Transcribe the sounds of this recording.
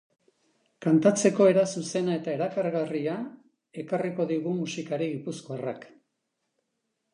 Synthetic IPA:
kant̪at͡se̞ko̞e̞ɾasuse̞nae̞t̪ae̞ɾakaɾɣaria | e̞kariko̞ðiɣumusikaɾiɣipusko̞arak

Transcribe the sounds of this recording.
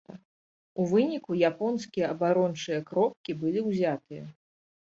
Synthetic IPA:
ɐ | uvɨnʲikujapɔnskʲijɐɐbaɾɔnt͡ʂɨjɐkɾɔp̚kʲibɨlʲiwzʲat̪ɨjɐ

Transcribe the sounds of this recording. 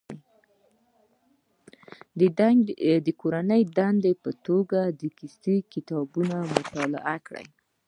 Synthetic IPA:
d̪əkoɾanəjd̪and̪epət̪oɡad̪əkist̪ikɪt̪ɑbunamʊt̪ɑla̰ʔakɽə̰j

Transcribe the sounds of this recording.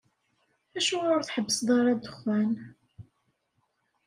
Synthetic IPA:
æʃuʊɾθħəbːəsðˤɑɾˤɑd̪əχwæn

